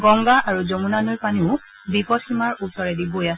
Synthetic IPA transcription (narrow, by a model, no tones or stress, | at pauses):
ɡɔŋɡaʔaɹuzomunanojpaniʊ̃ | bipɔtʰhimaɹusɔɹɛdibojasɛ